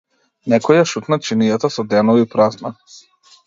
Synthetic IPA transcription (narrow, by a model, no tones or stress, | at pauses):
nɛkɔjaʃut̪nat͡ʃinijat̪asɔd̪ɛnɔvipɾazna